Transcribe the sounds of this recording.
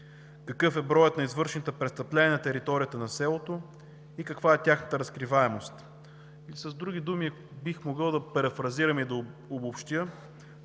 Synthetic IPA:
kɐkɤfɛbɾɔjət̪nɐizvɤɾʃɛnt̪əpɾɛst̪ɐplɛnʲiənɐt̪ɛɾit̪ɔɾijət̪ənɐsɛlˠot̪o | ikɐkvaɛt̪ʲjaxnət̪əɾɐskɾivaɛmost̪ | ilisɐzd̪ɾuɡ̟id̪umi | bixmoɡɤlˠd̪ɐpɛɾɛfɾɐziɾɐmid̪ɐobopʃt̪ʲjə

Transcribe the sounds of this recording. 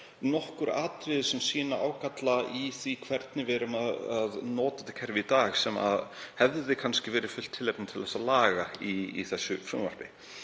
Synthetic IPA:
nɔhkʏɾa̰ːt̪ɾɪðsɛmsiːnaʔaːwkʰat̪laiθikʰv̥ɛɾt̪nɪvɛːɾʏmaðaðnɔːt̪at̪ɪ̥kʰɛɾvɪit̪aːɣsɛma̰ðhɛvððɪkʰanscɪvɛːɾɪ̥fʏl̥t̪ʰːɪlːejp̚nɪt̪ʰɪlθɛsːalaːɣaiθɛsːʏfɾuːmva̰r̥pɪ

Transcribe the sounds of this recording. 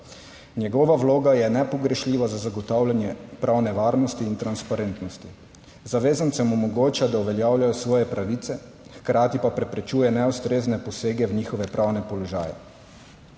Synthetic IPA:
njɛɡɔʋaʋloːɡajɛnɛpɔɡɾɛʃlʲiːʋazazaɡɔt̪awlʲjanjɛpɾʔawnɛʋaːɾnɔst̪iːnt̪ɾanspaɾent̪nɔst̪i | zaʋeːzantsɛmɔmɔɡoːt͡ʃad̪auʋɛljawljajɔsʋɔːjɛpɾaʋit̪sɛ | xkɾaːt̪ipapɾɛpɾɛt͡ʃuːjɛnɛust̪ɾeːznɛpɔseːɡɛwɲiːxɔʋɛpɾawnɛpɔlɔʒa̰ːjɛ̰

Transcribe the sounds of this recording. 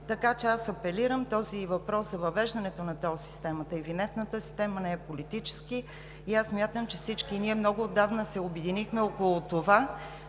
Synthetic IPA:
t̪ɐkat͡ʃɛasɐpɛliɾəmt̪ɔzivɐpɾɔszɐvɐvɛʒd̪ɐnɛt̪onɐt̪ɔsi̥st̪ɛmət̪əɛvinɛnt̪nət̪əsi̥st̪ɛmənɛɛpolit̪it͡ʃɛ̥ski | iasːmʲjat̪əmt͡ʃɛfsit͡ʃkiniɛmnɔɡʊːd̪ːavnəsɛobɛd̪inixmɛɔkolˠʊt̪ova

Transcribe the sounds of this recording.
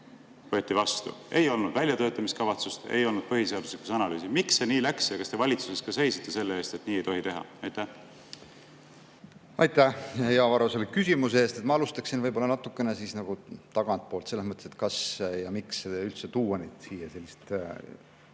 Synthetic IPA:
vot̪ːˑivɑst̪ṵe̞jo̞lnud̪vælʲjɑt̪ø̞ːt̪ːˑɑmiskɑvɑt̪sust̪e̞̰jo̞lnud̪̥̚pɤɦiseɑd̪usliku̥sɑnɑly̰ːsimiksːe̞niːlæksjɑkɑst̪e̞vɑlʲit̪suseskɑse̞jsit̪ːe̞se̞lːeeːst̪e̞t̪niːejt̪o̞ɦit̪e̞ɦɑ̰ɑjt̪ːæh | ɑjt̪æhɑjeɑvɑɾoselːekysʲimuseeːst̪e̞t̪mɑɑlust̪ɑksinvɤjbo̞lɑnɑt̪ːˑukːˑe̞nesisnɑɡ̥ut̪ɑɡ̥ɑnt̪̚poːlt̪se̞lːesmɤt̪ːˑese̞t̪̚kɑsjɑmikseylt̪set̪uːwɑned̪̥siːjese̞lʲːist̪

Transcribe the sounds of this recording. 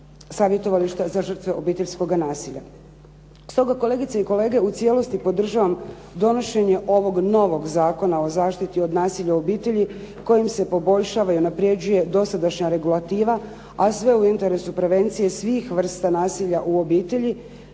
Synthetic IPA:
saːʋje̞t̪o̞ʋaliʃt̪azaʒr̩t̪ʋe̞ʔo̞biːt̪e̞ʎʲsko̞ɡanaːsiʎa̰ | st̪o̞ɡako̞le̞ːɡit̪seiko̞le̞ːɡe̞ut̪sije̞lo̞st̪ipo̞d̪r̩ʒaʋam | d̪o̞no̞ʃe̞ɲe̞ʔo̞ʋo̞ɡno̞ʋo̞ɡzaːko̞nao̞zaːʃt̪it̪io̞d̪naːsiʎaobiːt̪e̞ʎiko̞jimse̞po̞bo̞ʎʃaːʋaiunapɾije̞d͡ʑuje̞d̪o̞sad̪aʃɲaɾe̞ɡulˠat̪iːʋa | asʋe̞uint̪e̞ɾe̞supɾe̞ʋe̞nt̪sije̞sʋixʋr̩st̪anaːsiʎaʔuo̞biːt̪e̞ʎi

